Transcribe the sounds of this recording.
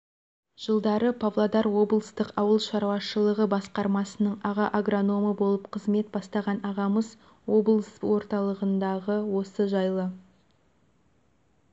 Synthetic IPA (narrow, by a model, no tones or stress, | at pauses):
ʒ̥əlˠd̪ɑɾəpʰavlˠad̪ɑɾwo̞bəlˠəst̪əqɑwəlˠʃɑɾwɑʃəlˠəʁəbɑsqɑɾmɑsənəɴɑʁɑʔaɡro̞no̞məbo̞lˠəpqʰəzme̞t̪̚bɑst̪ɑʁɑnɑʁɑməz | wo̞blˠəswo̞ɾt̪ɑlˠəʁənd̪ɑʁəwo̞səʒɑjlˠə